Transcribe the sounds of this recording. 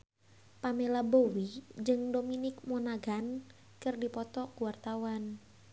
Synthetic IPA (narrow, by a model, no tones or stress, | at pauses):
pamelabowid͡ʒɨŋdominɪk̚mɔnaɡan | kɨrdipɔt̪ɔkuwart̪awan